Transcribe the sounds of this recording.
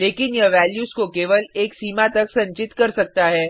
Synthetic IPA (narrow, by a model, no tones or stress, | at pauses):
leːkɪnjɐʋɛːljuːskokeːʋəleːksiːmat̪ɐksɐ̃ɲt͡ʃɪt̪kɐɾsɐk̚t̪aɦɛː